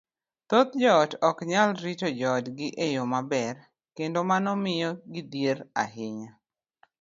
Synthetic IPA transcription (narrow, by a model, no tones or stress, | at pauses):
t̪ot̪d͡ʒɔtɔkɲalɾit͡ʃod͡ʒɔtɡɪʔejomabɛr | kendomanɔmɪjɔɡɪdjeɾa̰hɪɲa